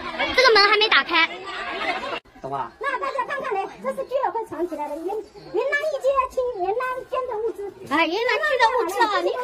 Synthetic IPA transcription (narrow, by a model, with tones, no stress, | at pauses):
ʈ͡ʂɤ˥˩ɡə˩mə˧˥ŋxa˧˥me˧˥ɪt̪a˨˩kʰa˥ɪ˩˥˧ | na˥˧t̪a˥˩t͡ɕja˥kʰa˥˧nkʰa˥˩ne˧˥ʈ͡ʂɤ˥˧ʂɻ̩˥˩t͡ɕy˥lə˨˩xwɪʈ͡ʂʰɑ˧˥ŋt͡ɕʰi˨˩la˧˥d̪ə˧˨i˨˩mɛ˥˩nlɛ˧˥nna˧˥ni˥˩t͡ɕi˥a˥˧˩t͡ɕʰi˥ŋlɛ˧˥nna˥nt͡ɕɥɛ˥nd̪ə˧u˥˩ʈ͡ʂɹ̩˥a˥˩ɥɛ˧˥na˧˥nʰi˥d̪ə˧˥u˥˧˩ʈ͡ʂɹ̩˥d̪ə˧fa˥i˥˧